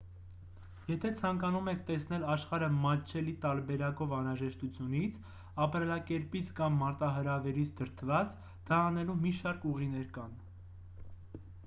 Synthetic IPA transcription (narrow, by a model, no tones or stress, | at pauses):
jɛt̪ʰɛt͡sʰɑŋkɑnumɛkʰt̪ɛsnɛlɑʃχɑɾəmɑt͡ʃʰɛlit̪ɑɾbɛɾɑkɔvɑnɾɑʒɛʃt̪ut͡sʰjunit͡sʰ | ɑpɾɛlɑkɛɾpit͡sʰkɑmːɑɾt̪ɑɦəɾɑvɛɾit͡sʰd̪əɾt̪ʰvɑt͡s | d̪̥ɑːnɛlumiʃɑɾkuʁinɛɾkɑn